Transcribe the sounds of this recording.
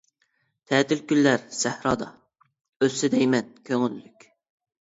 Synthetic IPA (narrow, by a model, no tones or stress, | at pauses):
t̪ʰɛːt̪ʰɪlkʲylːæɾsæhɾɑːd̪ɑ | øsɪd̪ɛjmɛnkʲʰøŋylːykʲ